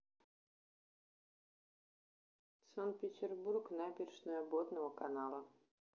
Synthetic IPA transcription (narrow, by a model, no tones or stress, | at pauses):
sant̪̚pʲɪtʲɪrburknabʲɪrʲʂnəjɐbot̪nəvəkɐnalˠə